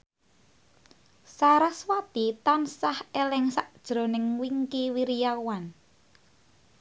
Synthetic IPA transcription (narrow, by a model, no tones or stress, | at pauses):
saɾaswat̪it̪ansahelɛŋsaʔd̥ʒ̥ɾo̤nɪŋwiŋkiwiɾijawan